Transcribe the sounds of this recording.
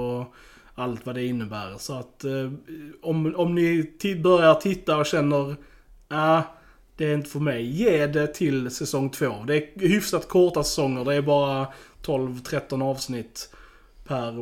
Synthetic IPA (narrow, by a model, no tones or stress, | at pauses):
ɔ | alt̪vad̪ɛɪnːəbæ̰ːɾsɔat̪ | ɔmɔmnɪbœɾjat̪ʰɪt̪ːaɔɕɛnːəɾ | a | d̪̥ɛːɾɪnt̪ə̥fœɾmɛjːeːɖɛt̪ʰɪlsɛsɔŋːt̪ʰvoːd̪ɛːhʏfsat̪kʰɔʈ̪asɛsɔŋːəɖ̪ɛːɾbɑːɾat̪ʰɔlvt̪ʰɾɛt̪ːɔnɑːvsnɪt̪ː | pʰæɾ